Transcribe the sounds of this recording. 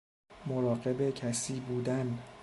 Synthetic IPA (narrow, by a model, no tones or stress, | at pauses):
moɾɒːɢe̞be̞cʰæsiːbuːd̪æn